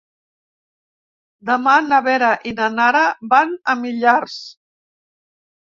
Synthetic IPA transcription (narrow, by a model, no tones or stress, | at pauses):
d̪əmanəβɛɾaʔinanaɾabanəmiʎars